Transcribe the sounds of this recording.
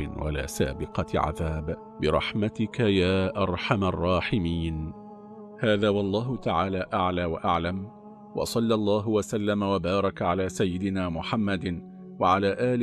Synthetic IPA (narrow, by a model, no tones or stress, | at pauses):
ɪ̰nwa̰la̰ːsa̰ːbɪqɑʕa̰ðaːb | bɪɾˤɑ̰ħmat̪ɪkajaːʔɑɾˤħamarˤːɑːħɪmiːn | haːðaːwɑlˤːɑːɦʊt̪aʕaːlaːʔaʕlaːwaʔaʕlam | wɑ̰sˤɑlːʔlˤːɑːɦwasalːamawabɑːɾˤɑkʕalaːsajːɪd̪ɪnaːmʊħamːad̪ | waʕalaːʔaːl